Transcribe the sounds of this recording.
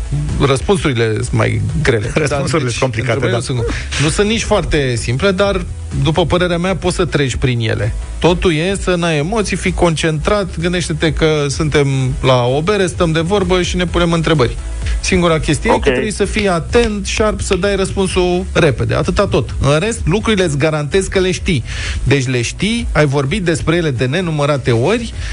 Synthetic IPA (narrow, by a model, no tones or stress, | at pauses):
rəspunsuɾile̞sɨnma̰jɡɾelḛɾəsd̪nsuiekomplikaensɨ | nusɨnnit͡ʃʲfoart̪e̞simple̞d̪ar | d̪upəpəɾe̞ɾeameapo̞t̪sət̪ɾe̞d͡ʒʲpɾinjḛle̞̰ | t̪o̞t̪uje̞sənaje̞mo̞t̪sijfiko̞nt͡ʃe̞nt̪ɾat̪ɡɨnd̪eʃt̪e̞t̪e̞kəsunt̪e̞mlaobe̞ɾest̪əmd̪e̞vo̞rbəʃine̞pune̞mɨn̪t̪ɾe̞bərʲ | siŋɡuɾakʲe̞st̪iuneket̪ɾebujsəfijat̪e̞nt̪ʃiarbsəd̪ajɾəspunsuɾe̞pe̞d̪e̞̰a̰t̪ɨt̪at̪o̞t̪ɨnɾe̞st̪lukɾuɾile̞t̪sʲɡaɾant̪e̞zkəle̞ʃt̪i | d̪e̞t͡ʃʲle̞ʃt̪iajvo̞rbit̪̚d̪e̞spɾeje̞le̞d̪e̞ne̞numəɾat̪e̞o̞rʲ